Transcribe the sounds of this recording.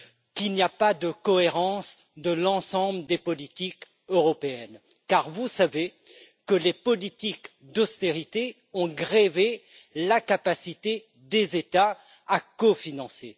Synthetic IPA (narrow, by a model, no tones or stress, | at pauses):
kilniapad̪əkɔeʁɑ̃s | d̪əlɑ̃sɑ̃bləd̪epɔlit̪ik | øʁɔpeɛn | kaʁvusave | kəlepɔlit̪ik | d̪ɔst̪eʁit̪e | ɔ̃ɡʁeve | lakapasit̪e | d̪ezet̪a | akɔfinɑ̃se